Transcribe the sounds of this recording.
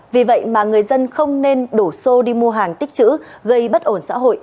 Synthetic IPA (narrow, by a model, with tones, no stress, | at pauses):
vi˨˩və̰˧˨jmaː˨˩ŋɨ˨˩əjzə˧nxə˧wŋ͡mne˧nɗo˧˩so˧ɗi˧mu˧əɦaː˨˩ŋt̪i˦˥k̚t͡ɕɨ̰˧˥ɣə˧jɓə˦˥t̚ʔo˧˩nsa̰ː˧˥ɦo̰˧˨jʔ